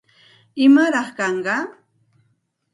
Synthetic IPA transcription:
ɪmaɾɑχkɑɴɢɑ

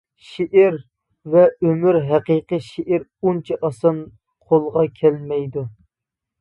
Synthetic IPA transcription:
ʃeʔɪɾ | vɛømyɾɦæqiqəʃeʔiɾunt͡ʃʰiʔɑsɑn | qʰolˠʁɑkʲʰɛlmɛjd̪u

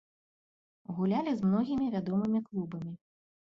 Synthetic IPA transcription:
ɣulʲalʲizmnɔɣʲimʲivʲad̪ɔmɨmʲiklˠubɐmʲi

